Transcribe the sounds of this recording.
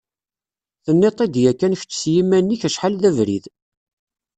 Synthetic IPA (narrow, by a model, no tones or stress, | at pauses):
θənːet̪ˤid̪jækːænç̥t͡sːsjimænːiçæʃħalðævɾḭð